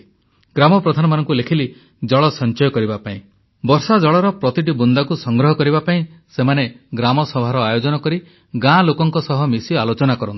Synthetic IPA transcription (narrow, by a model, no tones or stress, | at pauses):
ɡɾamɔpɾɔd̪ʱanɔmanɔŋkulekʰili | d͡ʒɔɭɔsɔnt͡ʃɔjɔkɔɾibapaĩ | bɔɾsad͡ʒɔɭɔɾɔpɾɔt̪iʈ̬ibund̪akusɔŋɡɾɔɦɔkɔɾibapaĩsemane | ɡɾamɔsɔbʱaɾɔajod͡ʒɔnɔkɔɾi | ɡãlokɔŋkɔsɔɦɔmisialot͡ʃɔnakɔɾɔnt̪i̥